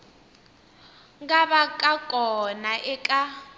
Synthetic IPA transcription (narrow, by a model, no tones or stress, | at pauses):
ŋɡaβakʼakʼɔnaʔɛkʼa